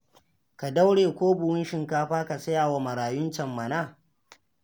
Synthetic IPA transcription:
ka˨da˦wɽeː˨kʷoː˦bʊ˨wʊ˦nʃɪ˨ŋkaː˦ɸaː˦ka˨sɐ˦jaː˨wa˨mɐ˨ɽaː˨jʊ˦nt͡ʃɐ˨mːɐ˨naː˦˨

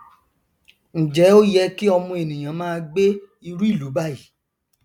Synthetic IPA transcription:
ñ̩˨d͡ʒɛ˨˦o˦jɛ˧˦ki˦ɔ˧mũ˧e˨nĩ˨j̃ã˨˦mãː˦˧ɡ͡be˦ | i˧ɾu˦i˦˨lu˨˦ba˦˨i˨˦

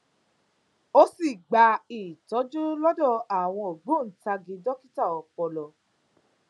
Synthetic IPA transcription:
o˦si˦˨ɡ͡ba˧˦i˨tɔ˨˦d͡ʒu˦lɔ˦dɔ˦˨a˨w̃ɔ̃˧o˨ɡ͡bũ˨˦n̩˨ta˧ɡi˨˦dɔ˦ki˦ta˦˨ɔ˨k͡pɔ˧lɔ˨

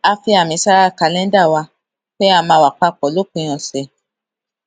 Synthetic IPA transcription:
a˧fi˧a˨mĩ˨˧˦sa˦ɾa˦˨ka˧lɛ̃˦n˦da˦˨wa˧ | k͡pɛ˦a˧˨mãː˧wa˨k͡pa˧k͡pɔ˨lo˦k͡pũ˧˨j̃ɔ̃˨sɛ˨

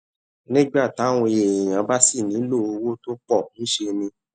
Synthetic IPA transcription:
nĩ˦ɡ͡ba˦˨ta˨˦w̃ɔ̃˧je˨j̃ã˨˦ba˦si˦˨nĩ˨˦lo˦˨o˧wo˦to˦k͡pɔ˦˨nũ˦ʃe˧mĩ˧

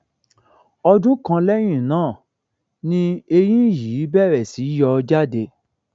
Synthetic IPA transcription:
ɔ˧dũ˦kã˧lɛ˦j̃ĩ˦˨nãː˦˨ | nĩ˦e˧jĩ˦jiː˨˦bɛ˦˨ɾɛ˨si˨˦jɔ˧d͡ʒa˦de˧

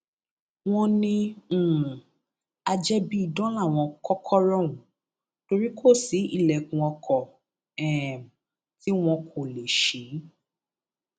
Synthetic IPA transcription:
w̃ɔ̃˧nĩ˧˦˨ũ˨ | a˧d͡ʒɛ˦bi˦i˦˨dɔ̃˦la˦˨w̃ɔ̃˧kɔ˦kʰɔ˦ɾɔ̃˦˨ũ˨˦ | to˧ɾi˦kʰo˦˨si˨˦ḭ˦˨lɛ˨kũ˧ɔ˧kʰɔ˨ | ɛ˨m˨ | ti˦w̃ɔ̃˧kʰo˨le˨ʃe˨˦

